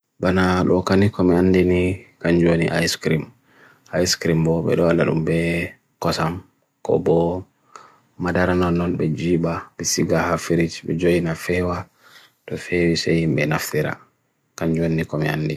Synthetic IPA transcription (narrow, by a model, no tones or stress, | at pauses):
banaɗɔkanikɔmɛandinikaɲd͡ʒonḭʔa̰jskɾim | ajskɾimbɔɓɛ̰ɗɔalːaɗṵmbɛ | kɔsam | kɔ̰bɔ | madaɾanɔnːɔnbɛd͡ʒiːbabɛsiɡahafiɾid͡ʒbɛ̰d͡ʒojinafɛwa | tɔfɛwisɛhimbɛnaft̪iɾa̰ | kaɲd͡ʒoninikɔmɛa̰ndi